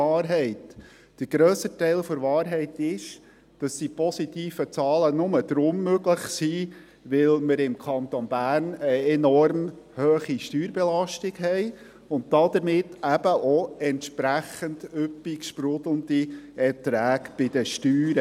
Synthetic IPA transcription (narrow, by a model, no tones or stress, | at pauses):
ɑːɾɦɛɪt | d̥əɡɾøːsətɛɪlfɔɾʋɑːɾɦɛɪtɪʃ | d̥ɑsd̥ipɔsitiːfət͡sɑːlənʊməd̥̪ɾʊmːøɡləχsiː | ʋɪlməɾɪmkʰɑnt̪onbæːɾnəɛnɔɾm | høːχiʃtyːɾbɛlɑʃtɪɡɦɛɪ | ʊnt̚dɑd̪əɾmɪtʰːæb̥əʔɔɛntʃpɾæχəndʏpːikʃpɾʊd̥̪l̩əndiɛtɾæːkb̥ɪd̥̪əʃtyːɾə